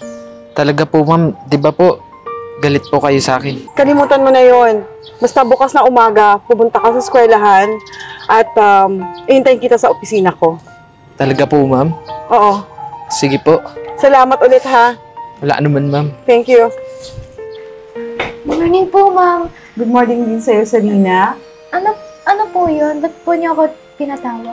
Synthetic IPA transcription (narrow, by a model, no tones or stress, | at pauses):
t̪ɐlɐɡapomamd̪ɪbapoʔ | ɡɐlɪt̪̚pokɐjosɐʔa̰ːkɪnkɐlɪmuːt̪ɐnmonɐjo̞n | bɐst̪ɐbʊkasnɐŋʔʊmaːɡɐpʊmʊnt̪ɐkɐsɐskwɛːlɐɦanʔɐt̪ʔamʔɪhɪnt̪ɐjɪnkɪt̪asɐʔopɪsiːnɐko̞ | t̪ɐlɐɡapomamʔoːʔo̞sɪɡɪpoʔsɐlaːmɐt̪olɛt̪ha | wɐla̰ʔɐnʊmanmamt̪ɛŋkju | ɡmoɹnɪŋpomam | ɡʊd̪̚moɹnɪŋd̪ɪnsɐjo̞sɐɾiːnɐ | ʔɐnoʔɐnopojonbɐt̪̚poɲoɐko | t̪ɪnɐt̪aːwɐ